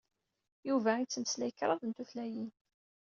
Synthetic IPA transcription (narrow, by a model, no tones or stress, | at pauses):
juvæit͡sːəməslæjəkɾˤɑðˤənt̪uθlæjin